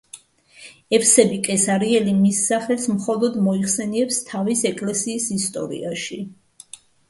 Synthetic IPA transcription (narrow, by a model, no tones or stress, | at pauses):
ɛfʰsɛbikʼɛsaɾiɛlimisːaχɛlsmχɔlˠɔd̪mɔiχsɛniɛpst̪ʰavisɛkʼlɛsiːsist̪ʼɔ̰ɾḭaʃi